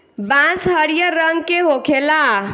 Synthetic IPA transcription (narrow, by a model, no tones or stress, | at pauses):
bãsɦəɾijəɾəŋɡkeɦokʰela